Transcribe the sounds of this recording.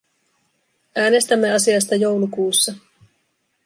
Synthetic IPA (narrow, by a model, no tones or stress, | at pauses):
ʔæːne̞st̪æmːe̞ɑsiɑst̪ɑjo̞wlukuːsːɑ